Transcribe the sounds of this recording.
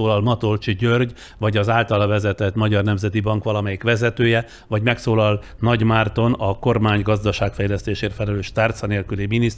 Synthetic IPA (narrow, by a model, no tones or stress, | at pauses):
oːlɒlmɒt̪olt͡ʃiɟørɟ | vɒɟɒzaːlt̪ɒlɒvɛzɛt̪ɛt̪mɒɟɒrnɛmzɛt̪ibɒŋkʋɒlɒmɛjikʋɛzɛt̪øːjɛ | vɒɟmɛksoːlɒl | nɒɟmaːrt̪o̞nɒko̞rmaːɲɡɒzd̪ɒʃaːkfɛjlɛst̪eːʃeːrfɛlɛløːʃt̪art̪sɒneːlkyliminis